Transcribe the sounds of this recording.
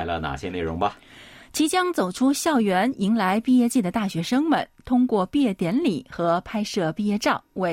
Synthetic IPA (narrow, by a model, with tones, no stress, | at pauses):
ɪlə̰˧na̰˨˩ɕjɛ˥˦ne˥˩ɪɻʊ˧˥ŋbɐ˧ | t͡ɕʰi˧˥t͡ɕjɑ˥ŋt͡so˨˩ʊʈ͡ʂʰu˥ɕjɑ˥˩ʊɥɛ˧˥ni˧˥ŋla˧˥ɪpi˥˧jɛ˥˧t͡ɕi˥˩d̪ə˩t̪a˥˩ɕɥɛ˧˥ʂɤ˥ŋmə̰˨˩nt̪ʰʊ˥ŋkwɔ˥˧pi˥˧jɛ˥˩t̪jɛ˧˥nli˨˩˦xɤ˧˥pʰa˥ɪʂɤ˥˧pi˥˧jɛ˥˧ʈ͡ʂɑ˥˩ʊwe˥˩